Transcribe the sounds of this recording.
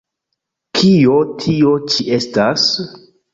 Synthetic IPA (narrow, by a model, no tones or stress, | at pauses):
kʰio̞tʰio̞t͡ʃiʔe̞stas